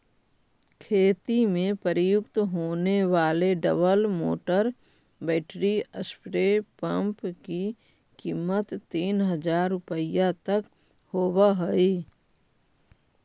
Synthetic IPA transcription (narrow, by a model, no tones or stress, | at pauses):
kʰeːt̪imẽpəɾɪjʊkt̪ɦoːneʋaːleɖə̰bəlmo̰ːʈəɾ | bɛːʈɾiəspɾepə̃mpki | kiːmːət̪ːiːnɦəd͡ʒaːɾːʊpəɪjãt̪ək | hoːbaɦəi